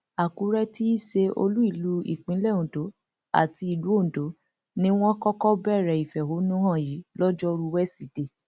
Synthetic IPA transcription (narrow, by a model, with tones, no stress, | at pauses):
a˨ku˨˦ɾɛ˦ti˦i˦ʃe˧o̰˧lu˦i˦˨lu˦ḭ˨k͡pĩ˨˦lɛ˦˨ũ˨do˨˦ | a̰˨ti˧i˨lu˨˦õ˦˨do˨˦ | nĩ˦w̃ɔ̃˦kɔ˦kɔ˦bɛ˦˨ɾɛ˨i˨fɛ˨ho˨˦nũ˦ɾã˦˨ji˨˦lɔ˦d͡ʒɔ˦ɾu˧wɛ˦si˦˨d̥e˨